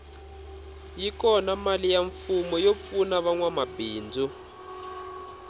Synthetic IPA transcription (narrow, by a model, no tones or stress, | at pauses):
jikɔnamalijaɱfumɔjop̪funaβaŋwamabiːnd͡zu